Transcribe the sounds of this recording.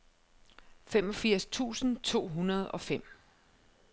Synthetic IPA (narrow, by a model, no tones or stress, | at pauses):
fem̰ɒ̽fiɐ̰st͡sʰṵːsn̩t͡sʰo̝̰ːɦunɐð̞̩ˠɒ̽fem̰